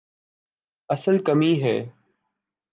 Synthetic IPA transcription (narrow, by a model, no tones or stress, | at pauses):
əsəlkəmiːɦɛ̰ː